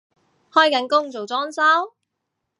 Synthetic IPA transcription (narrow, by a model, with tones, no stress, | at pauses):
hɔː˥jkɐ˨˥nkʊ˥ŋt͡so˨wt͡sɔː˥ŋsɐ˥w